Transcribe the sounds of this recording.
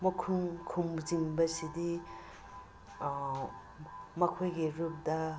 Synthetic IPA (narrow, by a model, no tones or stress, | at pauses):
mɐkʰumkʰumziŋbɐsidi | mɐkʰojɡiɾup̚dɐ